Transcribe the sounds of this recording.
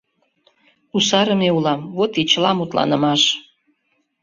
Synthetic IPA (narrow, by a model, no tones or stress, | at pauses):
usɑɾə̆meulɑmβot̪it͡ɕəlɑmut̪lɑ̰nəmɑʃ